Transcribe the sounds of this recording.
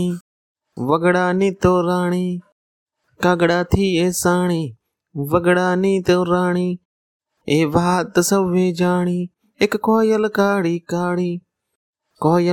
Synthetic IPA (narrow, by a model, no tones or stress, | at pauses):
iː | ʋəɡɽaːnĩːt̪oːɾaːɳiː | kaɡɽaːt̪ʰiːeːsaːɳiː | ʋəɡɽaːnĩːt̪oːɾaːɳiː | eːʋaːt̪əsəbʋeːd͡ʒaːɳiː | ɪkːoːjəlkaːɽiːkaːɽiː | koːjə